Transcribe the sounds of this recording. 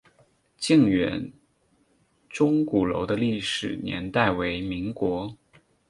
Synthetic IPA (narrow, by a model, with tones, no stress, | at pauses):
t͡ɕi˥˩ŋɥɛ˧˥n | ʈ͡ʂʊ˥ŋku˨˩lo̰˧˥ʊd̪ə˧li˥˩ʂɻ̩˨˩njɛ̰˧˥nt̪a˥˩ɪwe˧˥ɪmi˧˥ŋkwɔ˧˥